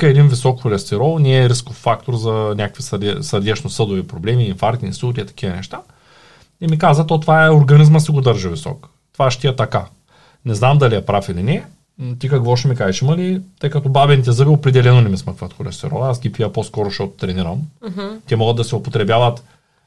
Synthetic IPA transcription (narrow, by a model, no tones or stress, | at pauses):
kɐɛd̪invisɔkxolɛst̪ɛɾɔlˠnɛːɾiskoffak̚t̪oɾzɐnʲakəkvisɐɾd̪ɛsəɾd̪ɛt͡ʃnosɤd̪ʊvipɾoblɛmiːfaɾt̪ʲnisuɾʲit̪ɐ̥kʲivɐnɛ̰ʃt̪a | ɛmikazvɐt̪ɔt̪vaɛoɾɡɐnizmɐsiɡod̪əɾʒɐvisɔ̰k | t̪ovaʃt̪iɛt̪ɐka | nɛznamd̪ɐliɛpɾafilinɛ | t̪ikɐkvɔʃɛmikaʒɛʃimɐlit̪ɤjkɐt̪ɔbabɛnit̪ɛzəviopɾɛd̪ɛlɛnonɛmisməkvət̪xolɛ̰st̪ɛ̰ɾɔ̰lˠasɡʲipiəposkɔɾoʃt̪ɔt̪ʊ̥t̪ɾɛniɾəmt̪ɛmɔɡəd̪ɐsɛopot̪ɾɛbʲjavət̪